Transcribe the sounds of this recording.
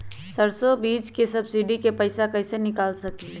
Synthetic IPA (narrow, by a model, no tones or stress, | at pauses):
səɾsobiːd͡ʒkesɐbsiɖikepɐɪsakɐɪsenɪkaːlsɐki